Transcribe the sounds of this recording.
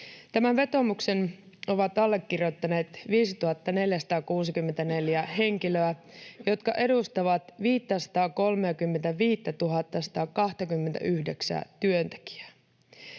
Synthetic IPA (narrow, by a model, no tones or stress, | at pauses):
t̪æmæʋʋe̞t̪o̞mukse̞n | o̞ʋɑt̪ɑlːe̞kːirjo̞t̪ːɑne̞ːt̪ʋiːsit̪uɦɑt̪ːɑne̞ljæsɑ̥t̪ɑːkuːsikymːent̪æne̞ljæɦe̞ŋk̟iløæjo̞t̪kɑʔe̞dust̪ɑʋɑt̪ʋiːt̪ːæsɑ̥t̪ɑːko̞lmeːkymːe̞nt̪æʋiːt̪ːæt̪uɦɑt̪ːɑsɑ̥t̪ɑːkɑht̪ɑkymːe̞nt̪æ̰ʔyhdeksæ̰t̪yønt̪e̥k̟i̥æ̥